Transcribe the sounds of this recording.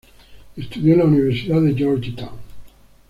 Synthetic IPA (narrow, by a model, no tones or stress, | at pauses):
est̪uðjolauniβ̞eɾsiðaðed͡ʒoɾd͡ʒit̪aw